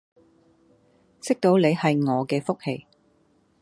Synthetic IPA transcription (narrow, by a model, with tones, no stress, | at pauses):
sɪ˥k̚t̪o˨˧wle˨˧jhɐ˨jŋɔː˨˧kɛː˧fʊ˥k̚he˧j